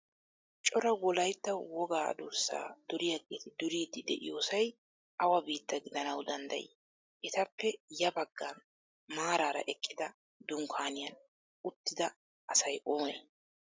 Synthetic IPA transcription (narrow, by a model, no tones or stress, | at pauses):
t͡ʃʼɔɾɐwɔlɐjt̪ːɐwwɔɡaːɐ̰d̪uːɾsːa̰ːd̪̥ɔɾɪjɐɡeːt̪ɪd̪ʊɾiːd̪ɪd̪ɛ̰ʔɪ̰joːsɐj | ʔɐwɐbiːt̪ːɐɡɪd̪ɐnɐwd̪ɐnd̪ɐ̰jɪ̰ː | ʔɛt̪ɐpːɛjɐbɐɡːɐn | maːɾaːɾɐ̰ʔɛkʼːɪd̪ɐ | d̪ʊŋkʰaːnɪjɐn | ʊt̪ːɪd̪ɐ | ʔɐsɐjʔoːmeː